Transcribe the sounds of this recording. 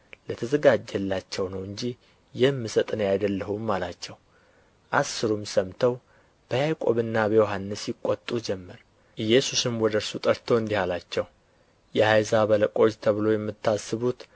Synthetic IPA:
lət̪ʰəzəɡad͡ʒːɛlːat͡ʃːɛwnəwɨɲd͡ʒi | jɛmːɨsət̪ʼnjajd̪əlːəhumːalat͡ʃːɛw | ʔasːɨɾumsəmt̪ʰəw | b̥əjajkʼo̞βɨnːabəjoɦanːɨsjɪkʷʼːot̪ʼud͡ʒɛmːəɾ | ʔɨjːɛsusɨmwɔd̪əɾsut̪ʼəɾt̪ʰo̞ɨnd̪ihalat͡ʃːɛw | jɛhajzaβələkʼo̞t͡ʃt̪ʰəβɨlo̞jɛmːɨt̪ʰːasːɨβut̪

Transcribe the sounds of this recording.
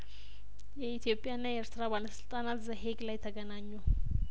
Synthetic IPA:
jɛit̪ʰjo̞pʼːjaɨnːajɛeɾt̪ɨɾaβaləsɨlt̪ʼanat̪zəɦeɡlajt̪ʰəɡənaɲːu

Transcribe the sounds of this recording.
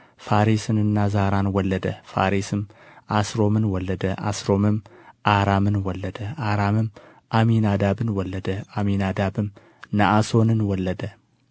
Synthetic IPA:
faɾisɨnɨnːazaɾanwɔlːəd̪əfa̰ɾisɨmʔasɾo̞mɨnwɔlːəd̪əʔa̰sɾo̞mɨmʔaɾamɨnwɔlːəd̪əʔaɾamɨm | ʔaminad̪abɨnwɔlːəd̪əʔaminad̪abɨm | naʔaso̞nɨnwɔlːəd̪ə

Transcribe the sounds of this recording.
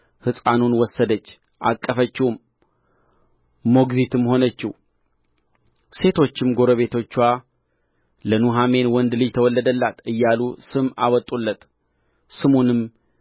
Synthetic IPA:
hɨsʼanunwɔsːəd̪ət͡ʃː | ʔa̰kʼːəfət͡ʃːɪhum | o̞ɡzit̪ʰɨmho̞nət͡ʃːɪh | se̞t̪ʰo̞t͡ʃːɪmɡo̞ɾəβe̞t̪ʰo̞t͡ʃːwa | lənuɦame̞nwɔnd̪lɨjt̪ʰəwɔlːəd̪əlːat̪ɨjːalusɨma̰wɔt̪ʼulːət̪ʼ | sɨmunɨm

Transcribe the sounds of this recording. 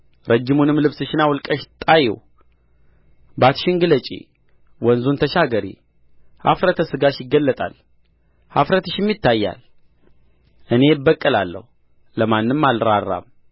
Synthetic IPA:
ɾʔəd͡ʒːɪmunɨmːlɨβsɨʃɪnawlkʼəʃt̪ʼajɛ̰w | bat̪ʃɪŋɡɨlət͡ʃʼḭ | wɔnzunt̪ʰəʃaɡəɾḭ | ha̰fɾət̪ʰəsɨɡaʃjɪɡːəlːət̪ʼa̰l | hafɾət̪ɨʃɪmjɪt̪ʰːajːa̰l | ʔɨne̞bːəkʼːəla̰lːə̰hu | ləmanːɨmːalɾarːa̰m

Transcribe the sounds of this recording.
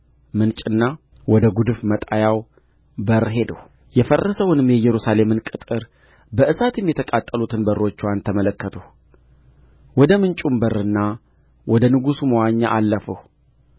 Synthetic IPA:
mɨnt͡ʃʼɨnːa | wɔd̪əɡud̪ɨfmət̪ʼajaw | bəɾːɦe̞d̪əh | jɛfərːəsəwʊnɨmjɛjɛɾusale̞mɨnkʼɨt̪ʼɨɾ | bəʔɨsat̪jɛmːjɛt̪ʰəkʼat̪ʼːəlut̪ʰɨnbərːo̞t͡ʃːwant̪ʰəmələkːət̪ʰəh | wɔd̪əmɨnt͡ʃʼumbərːɨnːa | wɔd̪ənɨɡusuməwaɲːaʔalːəfəh

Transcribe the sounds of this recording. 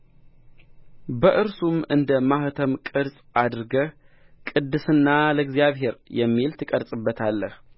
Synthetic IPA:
bəʔɨɾsumɨnd̪əmaht̪ʰəmkʼɨɾsʼad̪ɾɡə | kʼɨd̪ːɨsɨnːaləɡzijaβɦe̞ɾjɛmːilt̪ʰɨkʼəɾsʼɨbːət̪ʰalːəh

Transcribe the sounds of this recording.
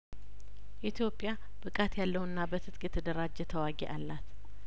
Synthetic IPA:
ʔit̪ʰjo̞pʼːja | b̥ɨkʼat̪jalːəwuɨnːabət̪ʰɨt̪ʼkʼjɛt̪ʰəd̪əɾad͡ʒːɛt̪ʰəwaɡɛ̰ʔalːat̪

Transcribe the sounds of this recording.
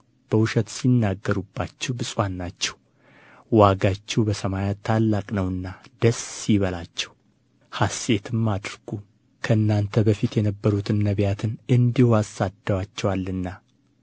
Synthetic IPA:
b̥əwʊʃət̪sinːaɡːəɾubːat͡ʃːɛwbɨsʼwanːat͡ʃːɛw | waɡat͡ʃːɛwbəsəmajat̪ʰːalːakʼnəwɨnːad̪əsːiβəlat͡ʃːɛw | hase̞t̪ʰɨmːad̪ɾɡ̥u | kʰəɨnːant̪ʰəbəfit̪jɛnəbːəɾut̪ʰɨnːəβjat̪ʰɨnɨnd̪ihuasːad̪əwat͡ʃːɛwalːɨnːa

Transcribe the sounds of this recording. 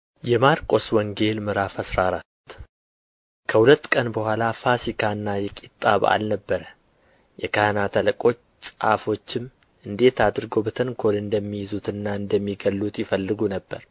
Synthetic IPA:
jɛmaɾkʼo̞swɔŋɡe̞lmɨɾafasɾaɾat̪ː | kʰəhulət̪ːkʼənbəhʷalafasikʰanːajɛkʼit̪ʼːa̰βa̰lnəbːəɾə | jɛkʰahnat̪ʰələkʼo̞t͡ʃ | t͡ʃʼa̰fo̞t͡ʃːɪm | ʔɨnd̪e̞t̪ad̪ɾɨɡo̞bət̪ʰəŋkʰo̞lɨnd̪əmːijɪzut̪ɨnːaɨnd̪əmːiɡəlːut̪jɪfəlːɨɡunəbːəɾ

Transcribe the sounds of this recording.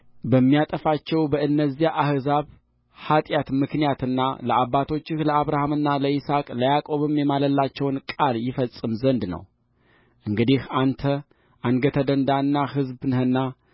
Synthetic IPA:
bəmːijat̪ʼəfat͡ʃːɛwbəɨnːəzːijaʔahzaβ | hat̪ʼjat̪mɨknijat̪ɨnːa̰ləaβːat̪ʰo̞t͡ʃːɪhləaβɾahamɨnːaləisakʼləjakʼo̞βɨmjɛmaləlːat͡ʃːɛwnkʼaljɪfəsʼːɨmzənd̪nə̰w | ʔɨŋɡɨd̪ihant̪ʰə | ʔaŋɡət̪ʰəd̪ənd̪anːahɨzbnhɨnːa

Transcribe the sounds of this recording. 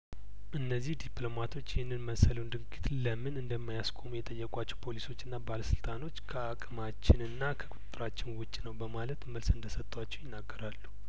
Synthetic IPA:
ʔɨnːəzːihd̪iplo̞mat̪ʰo̞t͡ʃːjɪhɨnːɨnməsələnd̪ɨŋɡʼit̪ləmɨnɨnd̪əmːajaskʰʷʼo̞mujɛt̪ʼəjːɛkʼat͡ʃːɛwpʰo̞liso̞t͡ʃːɨnːabaləsɨlt̪ʼano̞t͡ʃːkʰəakʼɨmat͡ʃːɪnɨnːakʰəkʼʊt̪ʼt̪ʼɨɾat͡ʃːɪnwʊt͡ʃʼːinəwbəmalət̪məlsɨnd̪əsət̪ʼːwat͡ʃːɛwjɪnːaɡːəɾalːu

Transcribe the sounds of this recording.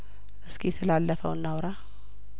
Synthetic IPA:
ʔɨskʰisɨlalːəfə̰wɨnːawɾa

